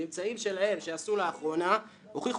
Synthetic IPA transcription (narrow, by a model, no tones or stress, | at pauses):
imt͡saimʃe̞lahe̞mʃeasuleaχʁo̞na | oχiχ